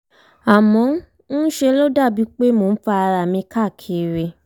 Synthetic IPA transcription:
a˨mɔ̃˨˦ | n̩˦ʃe˧lo˦da˦˨bi˦k͡pe˦mo˨˧n̩˦fa˧a˧ɾa˨mĩ˧ka˦˨kʰe˨ɾe˧

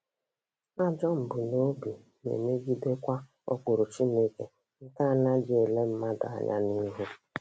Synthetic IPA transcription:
a˦d͡ʒɔ˦m̩˨bʊ˨no˦bi˨ | mḛ˨me˦ɡi˦de˦kʷa˦ | ɔ̰˦kʊ˨ɾʊ˨t͡ʃi˦ne˦ke˨ | ŋ̩˦ka˦a˨na˦d͡ʒe˨e˨le˦m̩˦ma˦da̰˨a̰˨ɲa̰˦ni˦ɦu˦

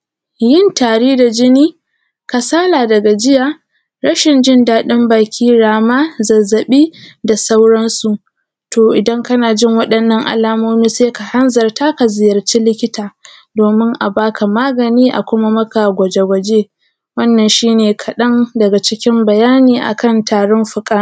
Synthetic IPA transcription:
jɪ˦˨ntaː˨ɽiː˦da˨d͡ʒɪ˦niː˦ | ka˨saː˦laː˨dɐ˨ɡa˨d͡ʒɪ˦jaː˨ | ɾɐ˦ʃɪ˨nd͡ʒɪ˦ndaː˦ɗɪ˦mbaː˨kʲiː˦ɽaː˨maː˦zɐ˨zɐ˨ɓiː˦da˨sa˦wɽɐ˦nsu˨ʔ | toː˨ʔɪ˨dɐ˦ŋkɐ˦naː˨d͡ʒɪ˦ŋwɐ˦ɗɐ˨nːɐ˦˨ŋʔa̰˨laː˦moː˦miː˦seː˦ka˨hɐ˦nzɐ˨rta˦ka˨zɪ˨jɐ˨rt͡ʃiː˦lɪ˦kʲɪ˦taː˨ | doː˨mɪ˦ŋʔa˨baː˦kʰa˨maː˦ɡɐ˨niː˦ʔa̰˨kʷʊ˦ma˦mɐ˦ka˨ɡʷɐ˨d͡ʒe˨ɡʷɐ˨d͡ʒeː˦ | wɐ˦nːɐ˨nʃiː˦neː˨kʰɐ˨ɗɐ˦ndɐ˨ɡa˨t͡ʃɪ˦kʲɪ˦mbɐ˨jaː˦niː˨ʔa̰˨kɐ˦˨ntʰaː˨ɽɔ˦mɸʊ˨kʼaː˦˨

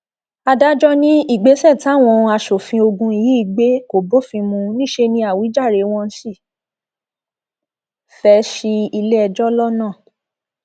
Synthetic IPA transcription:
a˧da˦d͡ʒɔ˦nĩ˦i˦˨ɡ͡be˨˦sɛ˦˨ti˦a˦˨w̃ɔ̃˧a˧ʃo˨fĩ˧o˧ɡũ˧i˨ji˨˦i˦˧˨ɡ͡be˦ko˨bo˦fĩ˧mũ˧nĩ˦˨ʃe˧nĩ˧a˦˨wi˨˦d͡ʒa˦˨ɾe˨˦w̃ɔ̃˧n̩˦si˦˨ | fɛ˧˦ʃi˧i˧le˦ɛ˧d͡ʒɔ˦lɔ˦nãː˦˨

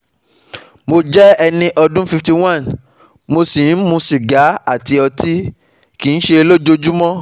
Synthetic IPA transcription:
mo˧d͡ʒɛ˦ɛ˧nĩ˧ʔɔ˧dũ˦fi˧fti˧w̃ã˦˨n | mo˧si˨n̩˦mũ˧ʃi˨ɡa˨˦a˦˨ti˧ɔ˧tʰi˦ | ki˨ñ̩˦ʃe˧lo˦d͡ʒo˧d͡ʒu˦mɔ̃˦

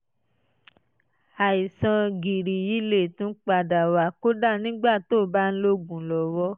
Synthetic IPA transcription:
a˨i˨sã˧ɡi˨ɾi˨ji˨˦le˦˨tũ˨˦k͡pa˧˨da˨wa˨˦ko˦da˦˨nĩ˦ɡ͡ba˦˨to˦˨ba˦n̩˦lo˦ɡũ˨lɔ˨wɔ˧˦

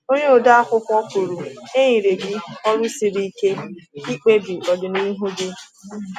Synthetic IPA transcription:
o˦ɲe˦o˨da˦a˦kʷʊ˦kʷʊ˦ɔ˦ku˨ɾu˨e˦ɲĩ˨ɾe˨ɡi˦ɔ˦ɾʊ˦si˨ɾi˦ke˦i˦k͡pe˦bi˨ʔɔ˨dʊ˨ni˦ɦu˦bɪ˦

